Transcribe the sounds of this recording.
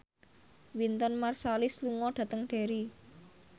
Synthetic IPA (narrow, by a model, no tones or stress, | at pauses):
wint̪ɔnmarsalɪsluŋɔɖ̥ä̤t̪əŋɖ̥e̤ɾi